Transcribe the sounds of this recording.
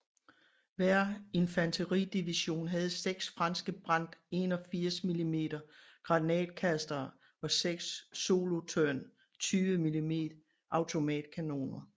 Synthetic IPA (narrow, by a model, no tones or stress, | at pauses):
ʋæɐ̰e̝nfænt͡sʰəʁḭd̥iʋiɕo̝̰ːnɦæð̞̩ˠseɡ̥sfʁɑ̈nsɡ̥əb̥ʁɑ̈n̰d̥e̝nɒ̽fiɐ̰smilime̝̰ːd̥ɐ | ɡ̥ʁɑ̈nɛ̰ːd̥̚kʰæsd̥ɐː | ɒ̽seɡ̥sːo̝ːlo̝t͡sʰøɐn | t͡sʰyːʋəmilime̝̰ːd̥ | ʔɑ̈ʊt͡sʰo̝mɛ̰ːd̥kʰæno̝̰ːnɐ